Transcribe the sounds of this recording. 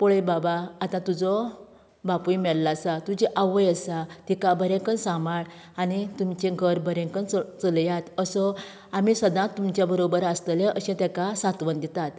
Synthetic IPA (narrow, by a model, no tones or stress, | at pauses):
pɔɭəjbabaːt̪ãt̪ud͡zɔ | bapujmɛɭlasat̪ud͡ʑiʔaʋəjəsat̪ikabəɾɛ̃kənsãmaɽ | anit̪umt͡ɕẽɡʱəɾbʱəɾɛ̃kənt͡səljat̪əsɔ | amisəd̪ãt̪ːumt͡ɕjabəɾobəɾast̪əlẽʔəɕɛ̃t̪ɛkasat̪ʋənd̪it̪at̪